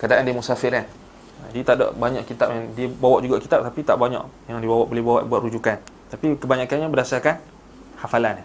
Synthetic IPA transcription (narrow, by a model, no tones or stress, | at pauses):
kadaʔandiəmusafɪɾan | dit̪ada̰ʔbaɲaʔkit̪ap̚jaŋdiəbawaʔd͡ʒuɡaʔkit̪ap̚t̪apit̪aʔbaɲa̰ʔjaŋdiəbawaʔbolehbawa̰ʔbuwaʔ̪rud͡ʒukant̪apikəbaɲakanɲabədasarkan | hafalan